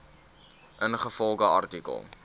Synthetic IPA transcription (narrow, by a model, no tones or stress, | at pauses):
ʔənχəfɔlˠɡəɐrtikə̰lˠ